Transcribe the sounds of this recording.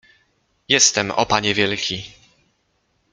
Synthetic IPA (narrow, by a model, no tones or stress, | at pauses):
jɛst̪ɛmɔ̰paɲɛvʲjɛlkʲi